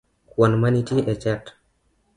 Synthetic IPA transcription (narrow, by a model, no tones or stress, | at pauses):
kwanmanitiʔɛt͡ʃat